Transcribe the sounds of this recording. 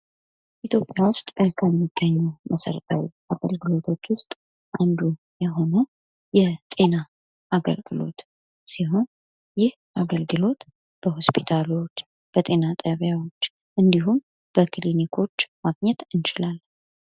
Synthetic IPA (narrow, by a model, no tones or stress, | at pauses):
ʔit̪ʰjo̞pʼjawʊst̪ʼkʰəmːiɡ̥ːəɲːuməsə̰ɾət̪ʰʼawḭʔaɡ̥əlɡɨlo̞t̪ʰo̞t͡ʃːwʊst̪ʼ | ʔand̪u | jɛɦo̞nə | jɛt̪ʼe̞na | ʔaɡə̰lɡɨlo̞̰t̪ | siɦon | jɪh | ʔaɡəlɡɨlo̞t̪ | b̥əho̞spʰit̪ʰalo̞t͡ʃː | b̥ət̪ʼe̞nat̪ʼəβjawo̞t͡ʃː | ʔɨnd̪iɦum | b̥əkʰɨlinikʰo̞t͡ʃːmaɡɲɛt̪ɨnt͡ʃɪlal